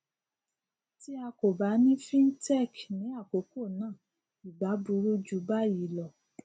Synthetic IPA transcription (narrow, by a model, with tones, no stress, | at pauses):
ti˦a˧ko˨ba˨˦nĩ˦fĩ˦n̩˦tɛ˦˨knĩ˨˦a˦˨ko˨˦ko˦˨nãː˦˨ | i˨ɡ͡ba˨˦bu˨˧˦ɾu˦d͡ʒu˨˦ba˦˨ji˨˦lɔ˦˨